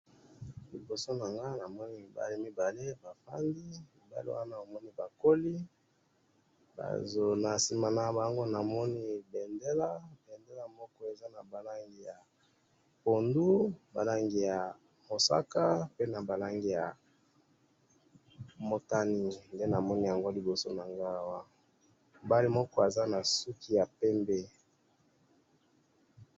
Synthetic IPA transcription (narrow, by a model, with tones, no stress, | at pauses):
li˨bo˨so˦na˨ŋɡa˦na˨mɔ˦ni˦mi˨ba̰˨li˦mi˦ba˨le˦ba˨fa̰˦ndi˦mi˨ba̰˨lḭ˦wa̰˦na˦o˨mɔ˦ni˦ba˨ko˦li˦ | ba̰˨zo˨na˨si˨ma˨na˨˦ba˨jŋɡo˦na˨mɔ˦ni˦bɛ˨nde˦la˦bɛ˨nde˦la˦mɔ˦kɔ˦e˨za˦na˨ba˨la˦ŋɡi˨ja˨ | po˨ndu˦ba̰˨la˦ŋɡi˨ja˨ | mo˨sa̰˦ka˦pe˦na˨ba˨la˦ŋɡi˦˨ja˨ | mo˨ta˦ni˦nde˦na˨mɔ˦ni˦ja˨ŋɡo˦li˨bo˨so˦na˨ŋɡa˦wa˦ | ba˦li˦mɔ˦kɔ˦e˨za˦na˨su˦ki˦ja˨pɛ˦mbe˦